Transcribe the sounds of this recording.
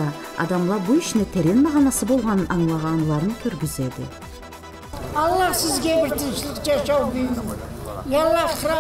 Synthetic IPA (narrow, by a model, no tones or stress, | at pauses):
ɑ | ɑ̰d̪ɑmlˠɑɾbuʏʃɪnet̪ʰeɾe̞nmɑʁɑnɑsəbo̞lˠʁɑnənʔɑɴlˠɑʁɑnlˠɑɾənkʲʰɵɾɡʲɪze̞d̪ɪ̰ | ɑlˠːɑɾsɪzɡʲebɪɾt̪ʰɪmʃɪlˠɪqd͡ʒɑʃɑwbelɪd̪jɑlˠːɑɾqʰɾ